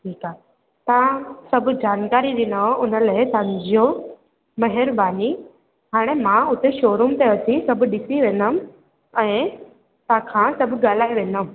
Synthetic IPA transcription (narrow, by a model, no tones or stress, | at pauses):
ʈʰiːkaː | t̪ɐãsɐbʱʊd͡ʑaːnkaːɾiɗɪnəʊnəlaːesãːɲd͡ʑio | mɐɦɪɾbaːni | ɦaːɽ̃emãʊt̪eʃoːɾumt̪eɐtʰisɐbʱɗɪsiʋẽːnəm | ɛ̃ː | t̪ãːkʰãsɐbʱɠaːl̤aːiʋẽːnəm